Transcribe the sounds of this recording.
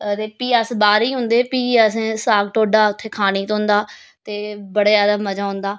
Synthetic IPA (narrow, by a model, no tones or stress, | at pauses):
t̪eːpiːəsbaːɾiːɦʊ̃nd̪eːpiːəsẽːsaːɡ̚ʈoːɖaːʊt̪ʰːeːkʰaːniːt̪õːnd̪aː | t̪eːbəɽːaːd̪aːmːəd͡ʒaːɦʊ̃ːnd̪aː